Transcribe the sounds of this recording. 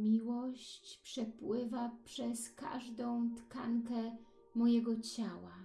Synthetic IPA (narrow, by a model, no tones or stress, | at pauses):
mʲiwɔɕt͡ɕpʂɛpwɘvapʂɛska̰ʐd̪ɔ̃w̃t̪ka̰ŋkɛ | mɔjɛɡɔt͡ɕawa